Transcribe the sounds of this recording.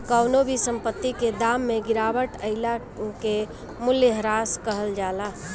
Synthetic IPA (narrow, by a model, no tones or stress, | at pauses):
kəwnobisəmpət̪ːiked̪amːeɡiɾaʋəʈəɪla | ke | mʊljəɦɾaskəɦəld͡ʒala